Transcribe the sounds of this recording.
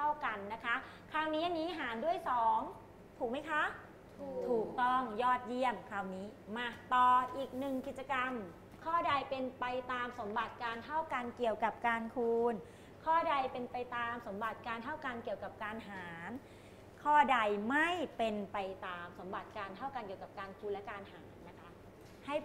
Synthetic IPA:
a˥˩wka˧nːa˦˥kʰa˦˥ | kʰaː˧˩wniː˦˥ʔa˧nːiː˦˥ɦaː˩˦ndu˥˩əjsɔː˩˦ŋ | t̪ʰuː˨˩k̚ma˦˥˩jkʰa˦˥ | t̪ʰuː˨˩k̚t̪ɔ˥˩ŋjɔː˥˩t̪̚ji˥˩əmkʰaː˧˩wniː˦˥maː˧t̪ɔː˨˩ʔiː˨˩k̚nɯ˨˩ŋki˨˩t̪̚t͡ɕa˧ka˧m | kʰɔː˥˩da˧jpe˧npa˧jt̪aː˧mso˩˦mba˨˩t̪̚kaː˧nt̪ʰa˥˩wka˧nki˨˩əwka˨˩p̚kaː˧nkʰuː˧n | kʰɔː˥˩da˧jpe˧npa˧jt̪aː˧mso˩˦mba˨˩t̪̚kaː˧nt̪ʰa˥˩wka˧nki˨˩əwka˨˩p̚kaː˧nɦaː˩˦n | kʰɔː˥˩da˧jma˥˩jpe˧npa˧jt̪aː˧mso˩˦mba˨˩t̪̚kaː˧nt̪ʰa˥˩wka˧nki˨˩əwka˨˩p̚kaː˧nkʰuː˧nlɛ˦˥kaː˧nhaː˩˦nːa˦˥kʰa˦˥ʔ | ha˥˩j

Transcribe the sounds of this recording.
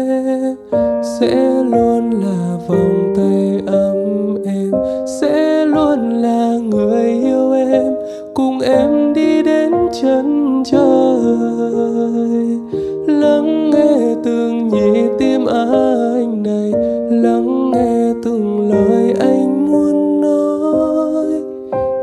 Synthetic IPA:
sɛ̰˧˥lu˧ənlaː˨˩ | va˨˩wŋ͡mt̪ə˧jʔə˧˦mʔɛ˧msɛ̰˧˥lu˧ənlaː˨˩ŋɨ˨˩əjʔi˧əwʔɛ˧m | kʊ˧˩ŋ͡mʔɛ˧mɗi˧ɗe˨˦nt͡ɕə˨˧˦nt͡ɕə˧ə˧ | j | lə˨˦ŋŋɛ˧˩t̪ɨ˨˩əŋzi˧˨˩t̪i˧əmʔaː˨˦a˧jŋ̟na˨˩jlə˨˦ŋŋɛ˧t̪ɨ˨˩ŋləː˧˨jʔa˧jŋ̟mu˧ənːɔ˧˦ | j

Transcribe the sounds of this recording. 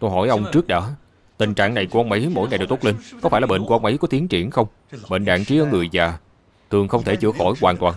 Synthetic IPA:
t̪o˧jɦɔ˧˩jʔə˧wŋ͡mt͡ɕɨ˦˥ək̚ɗəː˨˦ | t̪ï˨˩ŋ̟t͡ɕa̰ː˧˨ŋna˨˩jku˧˩ʔə˧wŋ͡mʔə˨˦mo̰˧˥˨jŋa˨˩jɗwt̪o˦˥li˧nkɔ˨˦faː˧˩jlaː˨ɓḛ˧˨nku˧˩ʔŋ͡mʔə˨˦jkɔ˨˦t̪i˨˦ənt͡ɕḭ˧˩ənxə˧wŋ͡m | ɓḛ˧˨nɗa̰ː˧˨nt͡ɕi˨˦ʔəː˧˩˦ŋɨ˨˩əjvaː˨˩ | t̪ʰɨ˨˩əŋxə˧wŋ͡mt̪ʰe˧˩t͡ɕɨ̰˧˩əxɔ˧˩jkwaː˨˩nt̪waː˨˩n

